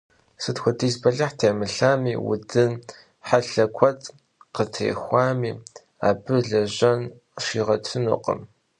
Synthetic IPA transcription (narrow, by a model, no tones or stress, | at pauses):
sɨtxʷɔdizbɐɮɐħtʰeːmɨɬaːmiːwʊ̰dɨn | ħaɬɐkʷʰɔtʰʼ | qətʰḛːxʷɑːmiː | a̰ːbɨɮɐʑɐn | ʃiːʁɐtʰɨnṵːqə̰m